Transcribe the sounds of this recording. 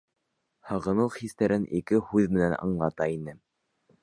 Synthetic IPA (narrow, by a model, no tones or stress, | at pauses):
hɑʁɤ̆nɤlˠχist̪æɾʔɘnʔikɘhʉðmɘ̆nænɑ̰ɴlˠɑt̪ɑinɘ